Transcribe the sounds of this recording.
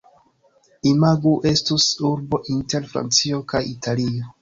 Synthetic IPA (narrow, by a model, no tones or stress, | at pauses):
imaɡuʔe̞stusuɾbo̞ʔinte̞ɾfɾa̰nt͡sio̞kajitʰalio